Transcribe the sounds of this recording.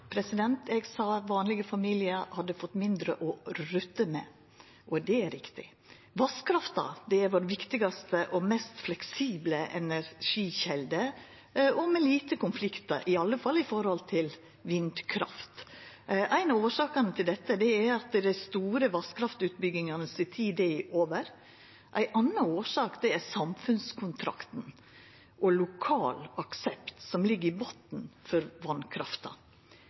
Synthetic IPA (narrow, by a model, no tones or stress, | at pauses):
pʰɾɛsɪd̪ɛnt̪ɛɡsɑʋɑːnlɪɡəfɑmiːlɪəɾhɑd̪ːəfɔt̪ːmɪnd̪ɾəʔɔɾʉt̪ːəmɛ̰ | ʔɔd̪ɛæɾɪkt̪ɪ̰ | ʋɑskʰɾɑft̪ɑ̰d̪ɛæɾʋoːɾʋɪkt̪ɪɡɑst̪əʔɔmɛst̪flɛksiːbləɛ̰næɾʂiːçɛld̪ə | ɔmɛliːt̪əkʊnflɪkt̪ə̰ɾʔɪɑlːəfɑlːɪfɔɾhɔlt̪ʰɪl | ʋɪnd̪kʰɾɑ̰ft̪ | ʔæɪnɑoːʂɑːkɑnət̪ʰɪld̪ɛt̪ːəd̪ɛæɾɑt̪d̪æɪst̪uːɾəʋɑskʰɾɑft̪ʉːt̪̚bʏɡɪŋɑnəsɪt̪ʰiːd̪eʔoːʋəɾ | ʔæɪʔɑnːɑoːʂɑːkd̪ɛæɾsɑmfʉnskʰʊnt̪ʰɾɑ̰kt̪n̩ | ʔɔlʊkʰɑːlɑksɛpt̪sɔmlɪɡːəɾɪbot̪n̩fɔɾʋɑnkʰɾɑ̰ft̪ɑ̰